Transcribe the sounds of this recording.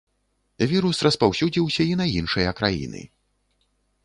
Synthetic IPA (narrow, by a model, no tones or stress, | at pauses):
vʲiɾusrɐspawsʲud͡zʲiwsʲɐinɐjinʂɨjɐkɾajḭnɨ̰